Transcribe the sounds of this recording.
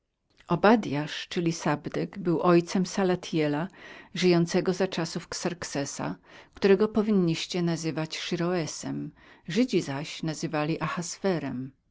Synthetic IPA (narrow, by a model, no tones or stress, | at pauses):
ɔbad̪jaʂt͡ʂɘlʲisabd̪ɛɡbɘwʔɔjt̪sɛmsalat̪ʰjɛlaʐɘjɔnt̪sɛɡɔzat͡ʂasufksaɾksɛsa̰kt̪uɾɛɡɔpɔvʲiɲːiɕt͡ɕɛnazɘvat͡ɕʂɘɾɔɛsɛm | ʐɘd͡ʑizaɕnazɘvalʲiʔaxasfɛɾɛm